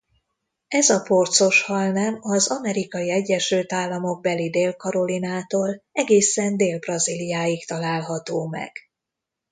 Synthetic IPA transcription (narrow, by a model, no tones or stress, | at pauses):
ɛzɒpo̞rt̪so̞ʃhɒlnɛmɒzɒmɛɾikɒjiɛɟːɛʃylt̪aːlːɒmo̞ɡ̚bɛlid̪eːlkɒɾo̞linaːt̪oːlɛɡeːsɛnd̪eːlbrɒzilijaːjikt̪ɒlaːlɦɒt̪oːmɛ̰ɡ̥